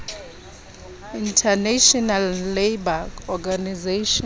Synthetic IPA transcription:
intʰanaʃɔnalːebaɔɡanizeʃɔ

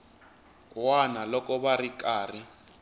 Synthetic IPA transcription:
wanalɔkɔβarik̬ʼaːri

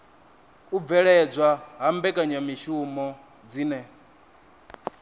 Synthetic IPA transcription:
uvɛɺɛd͡zʷaɦambɛkʼaɲamiʃumɔ | d͡ziːnɛ

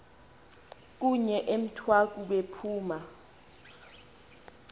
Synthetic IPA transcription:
k̬uɲɛʔem̩tʰwak̬uɓepʰuːma

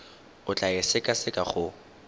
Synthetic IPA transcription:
ʊt͡ɬʼaɪsɪkʼasɪkʼaχʊ

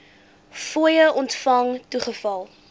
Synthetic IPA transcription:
fuəjəʔɔntfɐŋtuχəfɐlˠ

